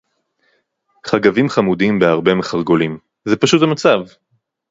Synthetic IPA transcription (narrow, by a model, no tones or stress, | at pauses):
χaɡavimχamud̪imbeaʁbe̞meχaʁɡo̞lim | zepaʃuthamat͡sav